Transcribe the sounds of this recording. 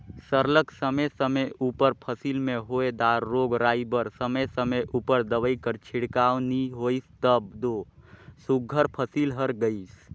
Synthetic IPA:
səɾləksəməjsəməjuːpəɾpʰəsiːlmẽɦoːed̪aːɾːoːɡɾaːibəɾsəməjsəməjʔuːpəɾd̪əʋəikəɾt͡ʃʰɪɽkaːʋniɦoːist̪əb̚d̪oːsuɡʱəɾpʰəsiːlɦəɾɡəis

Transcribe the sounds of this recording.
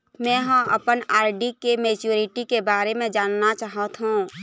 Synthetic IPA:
mɛ̃ːɦə̃məpənaːɾɖikemeːt͡ʃuːɾɪʈikebaːɾemẽd͡ʒaːnnat͡ʃaːɦət̪ɦũː

